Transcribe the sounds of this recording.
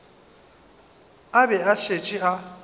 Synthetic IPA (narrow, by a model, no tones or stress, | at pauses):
abɛaʃʰʼet͡ʃʼiʔa